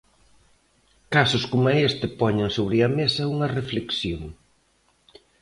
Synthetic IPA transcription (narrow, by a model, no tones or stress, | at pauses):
kasʊskomaest̪ɪpɔɲeŋsoβɾɪɐmesɐuŋɐrefleksjoŋ